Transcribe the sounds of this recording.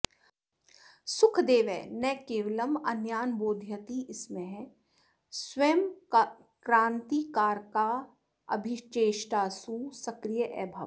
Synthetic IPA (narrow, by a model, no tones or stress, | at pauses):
sʊkʰd̪eːʋɛ̰ːnɛkeːʋləmɐnjaːnboːd̪ʱjət̪iʔɪsmẽɦɛ̃ | sʋeːm | kɾãːnt̪ikaːɾkaː | ɐ̰bʱit͡ʃeːʃʈaːsusɐkɾijəʔɛːbʱɐʋ